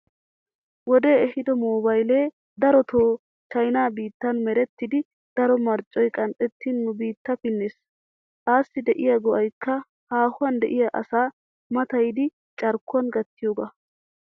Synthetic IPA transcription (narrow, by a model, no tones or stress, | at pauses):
wɔd̪e̞ːɛhɪd̪ɔmoːbɐjle̞ː | d̪ɐɾɔt̪ʰoː | t͡ʃɐjnaːbiːt̪ːɐnmɛɾɛt̪ːɪd̪ɪ | d̪̥ɐɾɔmɐɾt͡ʃʼːɔjkʼɐnt̪ʼɛt̪ːinːʊbiːt̪ːɐpɪnːes | aːsːɪd̪ɛʔɪjɐɡɔʔɐjkːɐ | haːhʊwɐnd̪ɛʔɪjɐʔɐ̰saː | mɐt̪ɐjd̪ɪ | t͡ʃʼɐɾkːʊɐnɡɐt̪ːɪjoːɡɐ